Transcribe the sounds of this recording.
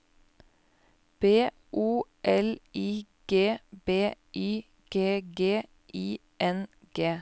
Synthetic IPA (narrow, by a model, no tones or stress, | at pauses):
b̥eː | ʔuːʔɛliːɡ̥eːb̥eːʔiː | ɡ̥eːɡeː | ʔiː | ʔɛn | ɡ̥eː